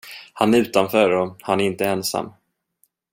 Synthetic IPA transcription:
hanæɾʉ̟ːt̪anfœːɾɔhanæɾɪnt̪əɛnsa̰mː

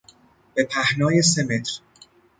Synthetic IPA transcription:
b̥e̞pʰæhnɒːje̞s̬e̞me̞t̪ʰɾ

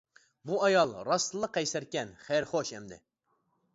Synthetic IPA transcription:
buɑjɑlˠɾɑslˠəqːɛjsæɾkʲɛnχæɾχoʃɛmd̪ɪ̰

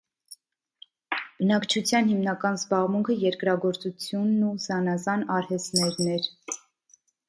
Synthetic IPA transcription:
b̥ənɑkt͡ʃʰut͡sʰjɑnhimnɑkɑnzbɑʁmuŋkʰəjɛɾkɾɑɡɔɾt͡sut͡sʰjunːuzɑnɑzɑnɑɾhɛst̪nɛɾnɛɾ

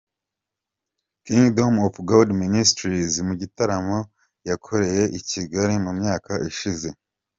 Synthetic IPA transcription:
kiŋɡdomofɡoldministɾizmuɟitaɾamo̞ | jakʰo̞ɾe̞je̞ʔiciɡaɾimumɲaːkʰaʔiʃize̞

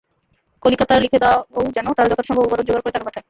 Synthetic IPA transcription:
kolikat̪aɾlikʰed̪ɛwaowd͡ʑɛnot̪aɾad͡ʑɔt̪ʰoɾʃɔŋbebaɾond͡ʑoɡaɾkoɾet̪akapaʈʰae

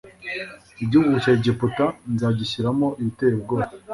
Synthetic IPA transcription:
iɟuɡuʃeɟeputanzaːɟiɕiɾamoʔiitebɡo

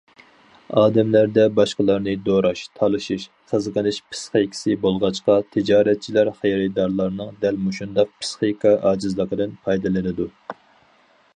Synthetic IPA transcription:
ɑːd̪ɛmlæɾd̪ɛbɑʃqəlˠɑɾnɨd̪oɾɑʃt̪ʰɑlˠɨʃiʃ | χəzqəlɨʃpʰɨ̥sχikʲʰɪ̥sɪbolˠʁɑt͡ʃqɑt̪ʰɪd͡ʒɑːɾɛt̪̚t͡ʃʰilæɾχejɾɛd̪ɑɾlˠɑɾnɨŋd̪ɛlmuʃund̪ɑq̚pʰɨ̥sχikʰɑʔɑːd͡ʒɨzlˠəqəd̪ɨnpʰɑjd̪ɨlˠɨnɨd̪u

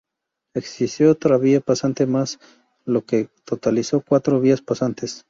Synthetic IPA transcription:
eksist̪joot̪ɾaβiapasant̪e̞mas | lo̞ke̞t̪o̞t̪aliso̞kwat̪ɾo̞βiaspasant̪e̞s

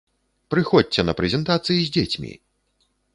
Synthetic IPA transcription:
pɾɨxɔt͡sʲːɛnɐpɾɛzʲɛnt̪at̪sɨjizʲd͡zʲet͡sʲmʲḭ

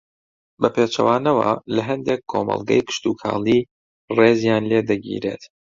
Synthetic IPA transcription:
bɐpʰeːt͡ʃɐ̰waːnɐwa̰lɐɦɐnd̪ekʰːomɐ̰lˠɡɐ̰jkɨ̥ʃt̪ukʰa̰ːlˠiː | reːzjaːnleːd̪ɐɡḭːɾe̞̰ːt̪

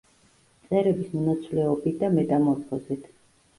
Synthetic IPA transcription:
t̪sʼɛɾɛbismɔnat̪sʰvlɛɔbit̪̚ʰd̪amɛd̪amɔt̪sɔzit̪ʰ

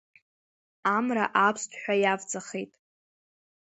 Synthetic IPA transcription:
amra̰ʔapʰstʷʰʼħʷᶣajavt͡sʼaχejtʼ

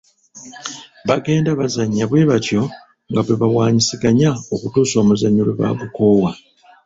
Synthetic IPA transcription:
βaɡe̞ːndaβazaɲːaβwe̞ːβatjo̞ | ŋɡaβweβawaːɲisiɡaɲao̞kutuːso̞ːmuzaɲːuleβa̰ɡuko̞ːwa

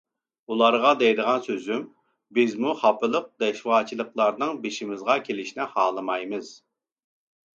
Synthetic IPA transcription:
ulˠɑɾʁɑd̪ɛjd̪əʁɑnsøzym | bɪzmuχɑpɨlˠəq̚d̪̥ɛʃwɑːt͡ʃʰilˠəqlˠɑɾnɨŋbeʃimɪzʁɑkʲʰelɪʃnɪhɑːlˠɨmɑjmɨz̥

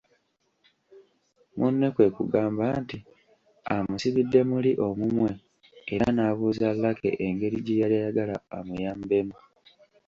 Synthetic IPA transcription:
munːekwe̞kuɡaːmbaːnti | amusiβidːe̞muliʔo̞mumwe̞ː | anaβuːzalːake̞̰ʔeŋɡe̞ɾiɟejaljajaɡalaːmujaːmbe̞mu

